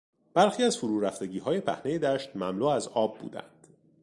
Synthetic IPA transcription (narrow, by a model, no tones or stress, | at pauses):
b̥æɾxiːæzfoɾuːɾæft̪e̞ɟiːɦɒːje̞pʰæ̰hne̞jed̪æːʃt̪̚mæmluːæzɒːbːṵːd̪æ̰nd̪̥